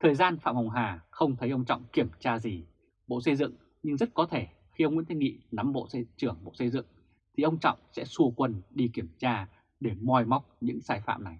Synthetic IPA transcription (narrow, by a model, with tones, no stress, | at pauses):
t̪ʰəː˨˩jzaː˧nfa̰ː˧˨mha˨˩wŋ͡mɦaː˨˩xə˧wŋ͡mt̪ʰə˨˦jʔə˧wŋ͡mt͡ɕɔ̰˧˨wŋ͡mki˧˩əmt͡ɕaː˧zi˨˩ | ɓo̰˧˨sə˧jzɨ̰˧˨ŋ | ɲɨ˧ŋzə˦˥t̚kɔ˨˦t̪ʰe˧˩ | xi˧ʔə˧ŋ͡mwi˧˥nt̪i˧˩ŋḭ˧˨na˨˦mɓo̰˧˨sə˧t͡ɕɨ˧˩əŋɓo̰˧˨sə˧jzɨ̰˧˨ŋ | t̪ʰi˨˩ʔə˧wŋ͡mt͡ɕɔ̰˧˨wŋ͡msɛ̰˧˥su˧əkwə˧nɗi˧ki˧˩əmt͡ɕaː˧ | ɗe˧˩mɔ˨˧jma˦˥wk͡p̚ɲɨ̰˧˥ŋsaː˧jfa̰ː˧˨mna˨˩j